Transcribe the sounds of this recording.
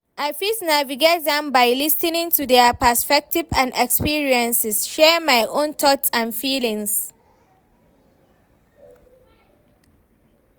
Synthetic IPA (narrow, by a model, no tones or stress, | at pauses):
ʔaɪfisnaviɡet̚dɛ̃mbaɪlistĩnĩŋtudɛəpəspɛk̚tivãndɛkspiɹiɛ̃nsɪsʃɛɹmajʔõnt̪ʰɔtsãnfilĩŋs